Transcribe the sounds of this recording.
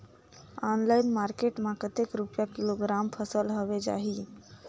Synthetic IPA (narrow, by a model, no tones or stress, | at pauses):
ɔnlaɪnmaɾkeʈmãkət̪ekɾupjakiloɡɾampʰəsəlɦoʋed͡ʒa̰ɦi